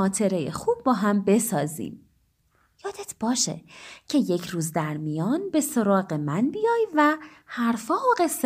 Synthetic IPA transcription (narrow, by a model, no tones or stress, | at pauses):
ɒːt̪ʰe̞ɾe̞jḛxub̚ːɒːɦæmbe̞sɒːzḭːm | jɒːd̪et̪ʰb̥ɒːʃe̞̰cʰe̞je̞cʰɾuːzd̪æɾmijɒːnbe̞so̞ɾɒːɣe̞mænbijɒːjvæ | hæɾfɒːoɣe̞s